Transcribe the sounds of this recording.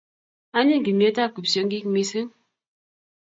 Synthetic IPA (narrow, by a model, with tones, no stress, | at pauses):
a˦ɲi˦ŋ̩˨ɡi˨mje˨˦ta˦˨ku˨p̚sjɔ˨˦ŋ˦ɡi˦kmi˨sɨ˦ŋ